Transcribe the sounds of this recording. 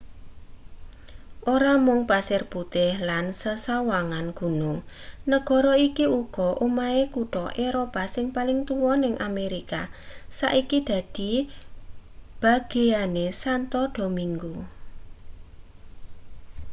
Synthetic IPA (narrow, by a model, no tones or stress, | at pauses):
ʔoɾamʊŋpasɪrb̥ut̪ɪhlansəsawaŋanɡ̥ṳnʊŋnəɡ̥ɔ̤ɾɔikiuɡ̥ɔʔumaekuʈɔʔeɾopasɪŋpalɪŋt̪uwɔnɪŋʔameɾikasa̰ʔikid̪̥ä̤d̪̥i̤ | b̥a̤ɡ̥e̤anesant̪ɔɖ̥o̤miŋɡu